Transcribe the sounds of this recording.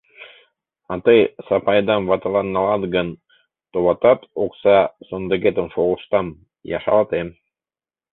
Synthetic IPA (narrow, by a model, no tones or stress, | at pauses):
ɑt̪ɤjsɑpɑjd̪ɑmvɑt̪ɑlˠɑnːɑlˠɑd̪ɡɤn | t̪oβɑt̪ɑt̪oksɑsond̪ə̆ɡet̪ə̆nfoʁuʃt̪ɑm | jɑ̰ʃɑ̰lˠt̪em